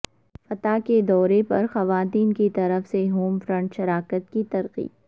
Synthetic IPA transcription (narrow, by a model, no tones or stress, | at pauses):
fɐt̪aked̪ɔːɾepɐ̰ɾxɐʋaːt̪iːnkit̪ɐɾəfseɦoːmfɾɐ̃ɳʈʃɐɾaːkət̪kit̪ɐɾqḭː